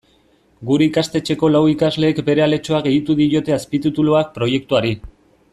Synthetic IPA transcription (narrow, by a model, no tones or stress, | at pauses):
ɡuɾe̞ikast̪e̞t͡ʃe̞ko̞lawikazle̞ːkbe̞ɾe̞ale̞t͡ʃo̞aɣe̞it̪uðiɾo̞t̪e̞aspit̪it̪uloak̚pɾo̞je̞k̚t̪uaɾi